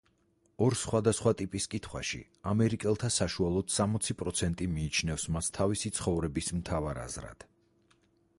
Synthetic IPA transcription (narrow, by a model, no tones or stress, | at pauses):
ɔɾsχwad̪asχwat̪ʼipʼiskʼit̪ʰχwa̰ʃḭ | amɛɾikʼɛlˠt̪ʰasaʃualˠɔd̪̥samɔt̪sʰipʼɾɔt̪sʰɛnt̪ʼimiːt͡ʃʰnɛfsmast̪ʰːavisit̪sʰχɔvɾɛbismt̪ʰavaɾa̰zɾa̰d̪̥